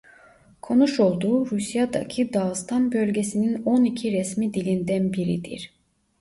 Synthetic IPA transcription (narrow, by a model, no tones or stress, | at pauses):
kʰo̞nuʃo̞lˠd̪uːɾusjad̪a̰cʰid̪ast̪ʰanbø̞lʲɟesinino̞nicʰiɾɛsmid̪ilʲind̪ænbiɾḭd̪ḭɾ̥